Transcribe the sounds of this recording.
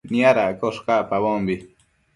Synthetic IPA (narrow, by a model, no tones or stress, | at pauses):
niaɾaʔkoʂkaʔpaβombi